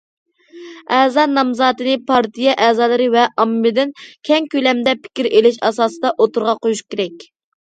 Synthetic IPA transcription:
ɛːzɑnɑmzɑːt̪ɨnɨpʰɑɾt̪ʰijɛʔɛːzɑːlˠɨɾɨvɛʔɑmːɨd̪ɪnkʲʰɛŋkʲølɛmd̪ɛpʰɪ̥kʲiɾelɪʃɑsɑːsɨd̪ɑʔot̪uɾʁɑqʰojuʃkʲeɾɛkʲ

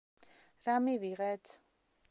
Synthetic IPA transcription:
ɾamiviʁɛt̪ʰ

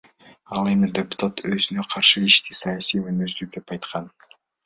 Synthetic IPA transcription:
ɑlˠe̞mɪd̪ʲe̞pu̥t̪at̪wɵzɪneqʰɑɾʃəɪʃt̪esɑjasijwɵnyzd̪yk̚d̪e̞pɑjt̪qɑn

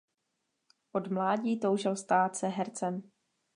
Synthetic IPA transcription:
ʔodmlaːɟiːt̪o̞wʒɪlst̪aːt̪sɛɦɛɾt͡sɛm

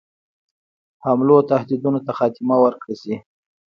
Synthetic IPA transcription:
hamlot̪ahd̪id̪unot̪axɑt̪ɪmawəɾkɽesi

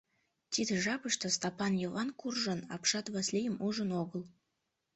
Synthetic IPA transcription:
t̪ʲid̪ə̆ʒɑpəʃt̪ɤ̆st̪ɑpɑnjovɑnkurʒɤ̆nɑ̰pʃɑt̪βɑslʲejəmuʒə̆noɣə̆l

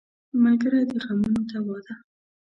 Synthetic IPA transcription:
malɡaɾad̪əɣamunot̪awɑd̪a

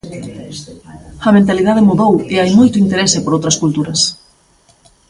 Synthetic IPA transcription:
ɐmẽnt̪aliðað̞ɪmuðoweajmojt̪ʊint̪eɾesepoɾowt̪ɾɐskult̪uɾɐs

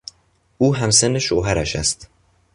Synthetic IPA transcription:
uːɦæmsenːeʃoːɦæɾæʃæ̰st̪

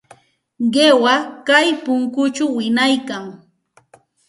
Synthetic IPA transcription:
ɢewakajpʊŋkʊt͡ʃʊwːɪnajkaŋ

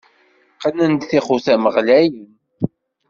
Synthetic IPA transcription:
qənænd̪θiχuθæməʁlæjən

